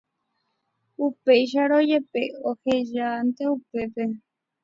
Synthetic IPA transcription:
upeiʃ̬aɾojepeoheʒant̪eupepe

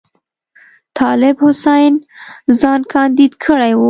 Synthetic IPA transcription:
t̪ʰɑlɪbhʊsajnzɑnkʰɑnd̪id̪kʰəɽajwu

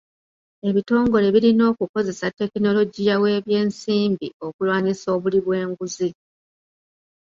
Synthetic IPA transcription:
e̞βito̞ːŋɡo̞le̞βiɾino̞ːkuko̞ze̞satːe̞kino̞lo̞ɟijawe̞ːβje̞ːnsiːmbio̞kulwaːɲiso̞ːβuliβwe̞ːŋɡuzi

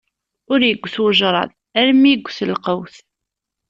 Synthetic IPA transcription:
ʊɾjəɡʷːθwəʒɾˤɑ̰ð | æɾmːijəɡʷːθəlqəwθ

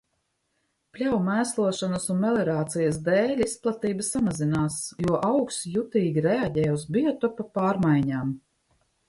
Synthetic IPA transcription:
plʲawmæːslˠuɔʃanɐsunmɛlɛɾaːt̪sijəsd̪ɛːlʲisplˠat̪iːbəsamazinaːsjuɔʔawksjut̪iːɡʲiɾɛaɟɛːjuzbiɔt̪ɔpapaːɾmajɲaːm

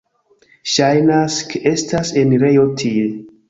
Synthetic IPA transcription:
ʃajnaskeʔe̞staseniɾe̞jotʰi

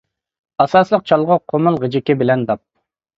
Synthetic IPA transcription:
ɑsɑslˠəq̚t͡ʃʰɑlˠʁʊqʰomɨlˠʁɨd͡ʒɪkʲɪbɪlɛnd̪ɑp̚

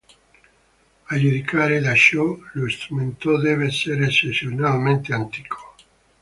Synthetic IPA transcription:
aʎuðikʰaɾelaʃoloest̪ɾumẽnt̪oðeβeseɾesesjonalmẽnt̪eant̪i̥kʰo̥

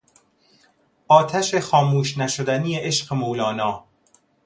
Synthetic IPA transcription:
ʔɒːt̪ʰæʃexɒːmuːʃnæʃod̪æniːjeʔeʃɢemowlɒːnɒː

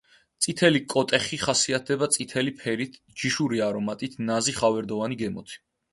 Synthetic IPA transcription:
t̪sʼit̪ʰɛlikʼɔt̪ʼɛχiχasiat̪̚ʰd̪ɛbat̪sʼit̪ʰɛlipʰɛɾit̪ʰ | d͡ʒiʃuɾiaɾɔmat̪ʼit̪ʰnaziχavɛɾd̪ɔvaniɡɛmɔ̰t̪ʰi̥

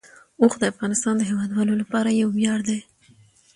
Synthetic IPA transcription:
oxd̪əafɣɑnɪst̪ɑnd̪əɦewɑd̪wɑlolapɑɾajawbjɑɾd̪e

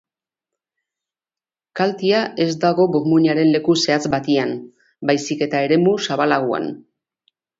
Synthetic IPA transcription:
kalt̪iae̞zd̪aɣ̞o̞buɾmuɲaɾe̞nle̞kuse̞at͡sbat̪ian | bajsike̞t̪ae̞ɾe̞musaβalaɣ̞ua̰n

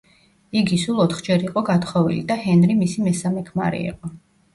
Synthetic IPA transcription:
iɡisulˠɔt̪ʰχd͡ʒɛɾiqʼɔɡat̪ʰχɔvḭlid̪ahɛnɾimisimɛsamɛkʰma̰ɾḭḭqʼɔ

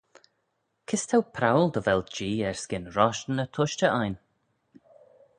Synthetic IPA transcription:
kʰɪst̪ʰawpʰɾawəld̪əvɛltd͡ʒiːɛɹsɡɪnɾɔʃnət̪ʰʊʃt͡ʃəʔajn

